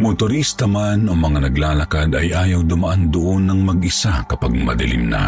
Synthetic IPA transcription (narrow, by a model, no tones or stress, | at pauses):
mʊt̪ʊɾist̪ɐmanomɐŋanɐɡlaːlɐkad̪ɐjʔaːjɐwd̪ʊmɐʔand̪ʊʔonːɐŋmɐɡʔɪsakɐpaɡ̚mɐ̰d̪ɪlɪ̰mna̰